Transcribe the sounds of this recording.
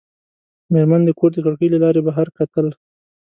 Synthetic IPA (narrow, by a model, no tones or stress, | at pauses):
meɾmand̪əkoɾd̪əkaɽkəjlalɑɾebaɦaɾkat̪əl